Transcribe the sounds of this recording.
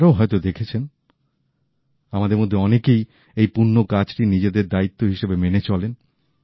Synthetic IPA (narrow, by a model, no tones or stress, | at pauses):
ɾaoɦɔet̪od̪ekʰet͡ɕʰen | amad̪eɾmod̪ʱːeɔnekej | ejpunːokat͡ɕʈinid͡ʑed̪eɾd̪ait̪ːoɦiʃebemenet͡ɕɔlen